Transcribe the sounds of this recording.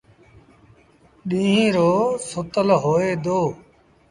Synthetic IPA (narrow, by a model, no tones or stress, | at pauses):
ɗĩːɦĩːɾoːsʊt̪əlɦoːeːd̪oː